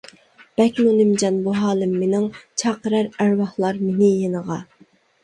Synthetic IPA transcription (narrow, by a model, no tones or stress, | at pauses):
b̥ɛkʲnunɪmd͡ʒɑnbuɦɑːlˠɪmːenɪŋt͡ʃʰɑːqəɾæɾæɾwɑhlˠɑɾmenɪjenəʁɑ